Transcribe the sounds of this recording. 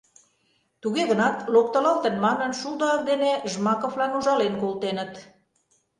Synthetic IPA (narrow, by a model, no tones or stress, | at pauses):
t̪uɣeɣənɑt̪lok̚t̪ə̆lɑlt̪ə̆nmɑnə̆nʃud̪ɑɑk̚d̪eneʒmɑkovlɑnuʒɑlenkolt̪enət̪